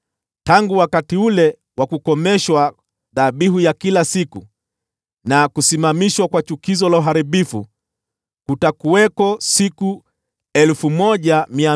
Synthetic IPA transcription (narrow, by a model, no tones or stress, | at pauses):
taŋɡuwakatiulɛ | wakukɔmɛʃwa | ðaɓiɦujakilasiku | nakusimamiʃwakwat͡ʃukizɔlauɦaɾiɓifu | kutakuwɛkɔsiku | ɛlfumɔʄamia